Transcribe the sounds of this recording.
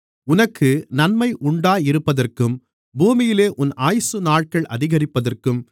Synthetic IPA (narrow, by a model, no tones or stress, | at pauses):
ʊnɐkʰːɯnɐnmɐɪʔʊɳɖaːjɪɾɯpːɐðɐrkɯm | buːmɪjɪleːʔʊnʔaːjsɯnaːɻ̚kɐɭʔɐ̰ðɪɣɐrɪpːɐðɐrkɯm